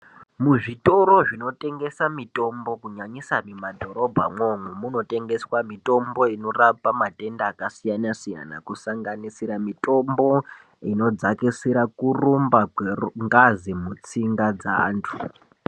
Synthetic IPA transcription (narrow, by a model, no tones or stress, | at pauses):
muʐito̞ɾo̞ʐino̞tʼe̞ŋɡe̞samito̞mbo̞kuɲaɲisamimadʱo̞ɾo̞bʱa̰moŋwumuno̞te̞ŋɡe̞swamito̞mbo̞ino̞rapamatʼe̞ndaːkasijanasija̰na̰kusaŋɡanisiɾamitʼo̞mbo̞ | ino̞d͡zakisiɾakurumbakeŋɡazimut͡siŋɡad͡zaaːntʰu̥